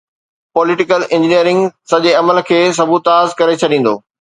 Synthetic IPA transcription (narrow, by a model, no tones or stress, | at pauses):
pɔːlɪʈɪkəlɪ̃ɲd͡ʑɪnijəɾɪ̃ŋɡsɐʄeɐməlkʰeːs̬ɐbʱut̪aːzkɐɾet͡ɕʰɐɗĩːn̆d̪o̰ː